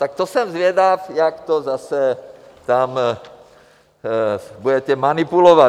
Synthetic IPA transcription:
t̪akt̪ɔsɛmzʋɪɛd̪afjakt̪ɔzasɛt̪am | buɟɛcɛmanipulɔʋa

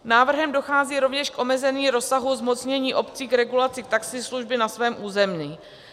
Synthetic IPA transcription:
naːvr̩ɦɛmdo̞xaːziːɾo̞vɲɛʃkʔo̞mɛzɛniːɾo̞saɦuzmo̞t͡sɲɛɲiːʔo̞pt͡siːkɾɛɡulat͡sɪk̚t̪aksɪsluʒbɪnasvɛːmʔuːzɛmɲiː

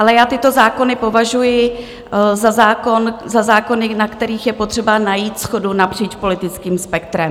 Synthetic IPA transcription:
ʔalɛjaːt̪ɪt̪o̞zaːko̞nɪpo̞vaʒujɪ | zazaːkonzazaːko̞nɪnakt̪ɛɾiːxjɛpot̪r̝̥ɛbanajiːt̪sxo̞dunapr̝̥iːt͡ʃpo̞lɪt̪ɪt͡skiːmspɛk̚t̪ɾɛm

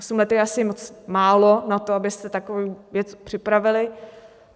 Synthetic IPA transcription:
osumlɛt̪ɛjɛasɪmot͡smaːlo̞nat̪oabɪst̪ɛt̪akovowvjɛt͡spr̥ɪpɾavɪlɪ

